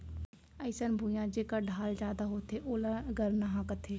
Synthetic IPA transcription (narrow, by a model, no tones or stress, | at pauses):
əɪsənbʱujãːd͡ʒeːkaːɖʱaːld͡ʒaːd̪aːɦoːt̪ʰeːʔoːlãːɡəɾnaɦãːkət̪ʰeː